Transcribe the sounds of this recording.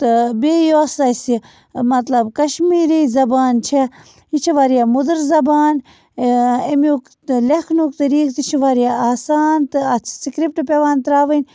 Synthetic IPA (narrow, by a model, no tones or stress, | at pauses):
t̪ɨbeːjoːsɐjsi | mɐt̪lɐbkɐʃmiːɾiːzɐbaːnt͡ʃʰe | jit͡ʃʰiʋaːɾijamud̪əɾzɐbaːn | emjuk | lekʰnukt̪ɐɾiːkt̪ɨt͡ʃʰiʋaːɾijaaːsaːnt̪ɨɐt͡sʰsikɾip̚ʈɨpʲeʋaːnt̪ɾaːʋənʲ